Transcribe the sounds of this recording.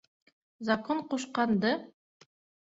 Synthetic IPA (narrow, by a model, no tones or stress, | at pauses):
zɐkoɴquʃqɑnd̪ɤ